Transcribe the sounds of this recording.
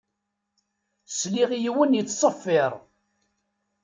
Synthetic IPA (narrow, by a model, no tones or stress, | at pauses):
sliʁijiwənjət͡sːsˤəfːɪɾˤ